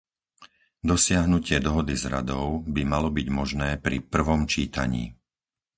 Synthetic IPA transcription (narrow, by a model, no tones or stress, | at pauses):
d̪ɔsɪaɦnucɪɛd̪ɔɦɔd̪izɾa̰d̪ɔʊbimalɔbiɟmɔʒnɛːpɾḭpr̩ʋɔmt͡ʃiːt̪a̰ɲḭː